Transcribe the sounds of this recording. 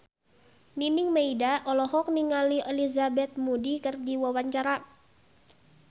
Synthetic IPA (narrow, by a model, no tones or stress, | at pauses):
niniŋmeidaʔɔlɔɦɔk̚niŋaliʔɛlizabɛt̪̚mudikɨrdiwawaɲt͡ʃaɾa